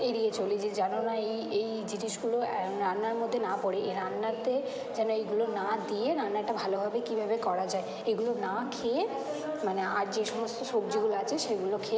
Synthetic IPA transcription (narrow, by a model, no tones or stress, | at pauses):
eɾiet͡ɕolid͡ʑed͡ʑanonaejej | d͡ʑiniʃɡuloɾanːaɾmod̪ʱːenapoɽeeɾanːat̪e | d͡ʑɛnoeɡulonad̪ieɾanːaʈabʱalobʱabekibʱabekɔɾad͡ʑae | eɡulonakʰee | manea̰ɾd͡ʑeʃɔmost̪oʃok̚d͡ʑiɡuloat͡ɕʰeʃeɡulokʰe